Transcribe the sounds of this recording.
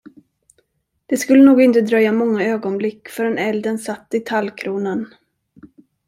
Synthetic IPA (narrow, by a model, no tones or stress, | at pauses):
d̪̥ɛskɵlːənuːɡɪnt̪əd̪ɾœjːamɔŋːaøːɡɔnblɪkːfœɾɛnɛld̪ənsat̪ːɪt̪ʰalːkʰɾuːnən